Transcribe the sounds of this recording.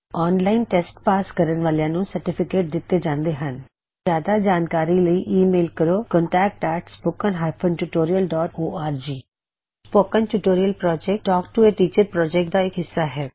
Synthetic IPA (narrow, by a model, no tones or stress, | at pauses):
ɔːnlaːɪnʈɛːsʈpaːskəɾənʋaːlejãːnũːsəɾʈɪpʰɪkeːʈ̚d̪ɪt̪ːeːd͡ʒãːnd̪eːɦən | zjaːd̪aːd͡ʒaːnkaːɾiːləiʔiːmeːlkəɾoːkɔ̃ːɳʈɛːk̚ʈɛːʈspoːkənɦaːpʰənʈuːʈoːɾijəlɖɔːʈoːaːɾd͡ʒiː | spoːkənʈuːʈoːɾijəlpɾɔːd͡ʒɛk̚ʈɔːk̚ʈueːt̪iːt͡ʃəpɾɔːd͡ʒɛk̚ʈ̚d̪aːɪkɦɪsːaːɦɛː